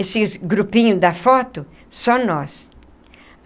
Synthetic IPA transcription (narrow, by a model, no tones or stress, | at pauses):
esɪɡɾupĩɲʊd̪ɐfɔt̪ʊ | sɔnɔs